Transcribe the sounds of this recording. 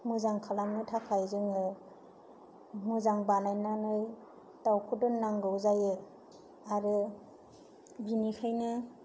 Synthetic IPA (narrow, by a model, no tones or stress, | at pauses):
mɯzaŋkʰalamnɯtʰakʰajzɯŋɯ | mɯzaŋbanajnanɯj | tawkʰudɯnːaŋɡɯwzajɯ | aɾɯ | binikʰɯjnɯ